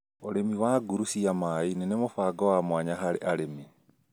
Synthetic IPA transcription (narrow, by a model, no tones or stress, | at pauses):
oɾemiwaɡuɾusiamainenemofaːɡɔwamwaɲaɦaɾeʔaɾeme